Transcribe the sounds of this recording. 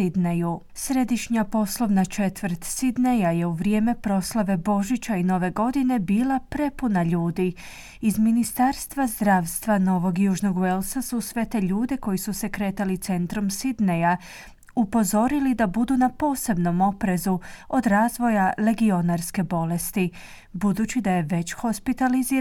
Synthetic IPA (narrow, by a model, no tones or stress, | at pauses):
id̪neju | sɾe̞d̪iʃɲapo̞slˠo̞ʋnat͡ʃe̞t̪ʋəɾt̪sid̪nejaje̞uʋɾje̞ːme̞pɾo̞slˠaʋe̞bo̞ʒit͡ɕaino̞ʋe̞ɡo̞d̪ine̞biːlapɾe̞punaʎuːd̪i | izminist̪aɾst̪ʋazd̪ɾaːʋst̪ʋano̞ʋo̞ɡjuːʒno̞ɡwelˠsasusʋe̞t̪eʎuːd̪eko̞jisuse̞kɾe̞ːt̪alit̪se̞nt̪ɾumsid̪neja | upo̞zo̞ɾilid̪abud̪unapo̞ːse̞bno̞mo̞pɾe̞zuo̞d̪ɾaːzʋo̞jale̞ɡio̞naɾske̞bo̞le̞st̪i | bud̪uːt͡ɕid̪aje̞ʋe̞t͡ɕxo̞spit̪aliziː